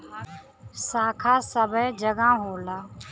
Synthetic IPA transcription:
saːkʰaːsəbʱəd͡ʒəɡãːɦoːlaː

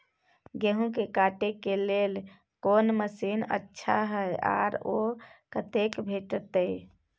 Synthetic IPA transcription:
ɡeɦũk̬ekaʈekelel | konməsinə̰tːʃʰaɦəjʔa̰ːɾokət̪ekbʱeʈt̪ə

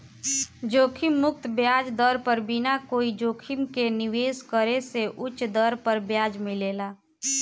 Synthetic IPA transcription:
d͡ʒoːkʰɪmːʊk̚t̪bjaːd͡ʒd̪əɾpəɾbɪnakoːid͡ʒoːkʰɪmkenɪʋeːskəɾeseʔʊt͡ʃd̪əɾpəɾbjaːd͡ʒmɪleːlaː

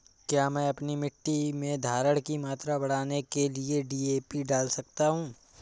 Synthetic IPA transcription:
kjaːmɛ̃ɐpnimɪʈːimẽd̪ʱaːɾəɽkimaːt̪ɾabɐɽ̤aːnekelieɖiːeːpiɖaːlsɐk̚t̪aɦũː

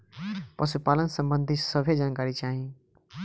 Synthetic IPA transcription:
pəsupaːlənsə̃mbə̃nd̪ʱisəbʱed͡ʒaːnkaːɾit͡ʃaːɦĩ

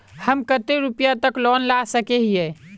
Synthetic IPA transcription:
həmkət̪eɾʊpjat̪əklɔːnlasəkeɦiɛː

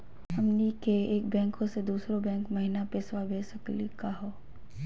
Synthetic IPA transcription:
ɐmnikeeːkbɛ̃ːŋkõsed̪uːsɾõbɛ̃ːŋkmɐɦinapeswabeːsɐklikaɦoː

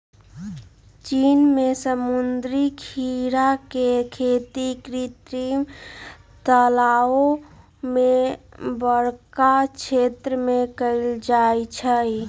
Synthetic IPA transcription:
t͡ʃinmesəmund̪ɾikʰiɾakekʰet̪ikɾit̪ɾim | t̪əlao | mebəɾkat͡ʃʰet̪ɾəmekəɪld͡ʒajt͡ʃʰəi

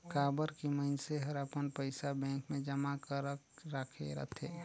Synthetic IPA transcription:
kaːbəɾkiməɪnseɦəɾapənpəɪsabɛ̃ːŋkmẽd͡ʒəmakəɾəkɾakʰeɾə̰t̪ʰḛ̃

